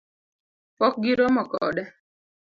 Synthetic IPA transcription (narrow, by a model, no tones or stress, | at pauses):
pɔk̚ɡiɾɔmɔkɔ̰dɛ